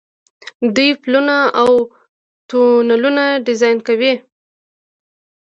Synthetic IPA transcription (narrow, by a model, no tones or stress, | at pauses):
d̪ujplunaaw | t̪onalunaɖɪzɑjnkawi